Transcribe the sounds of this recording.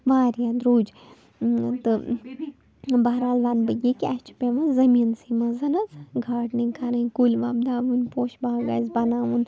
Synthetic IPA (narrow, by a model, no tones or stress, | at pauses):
ʋaːɾjad̪ɾuːd͡ʒ | t̪ɨ | baɦɾaːlʋanbɐɡikʲɐt͡ʃʰpʲeʋɐzɐmiːnsimɐzɐnɐzɡʱaːʈnikʰaɾɐkulʲʋaːbd̪aːʋunpoːʃbaːɡɐ̰ːzbɐnaːʋun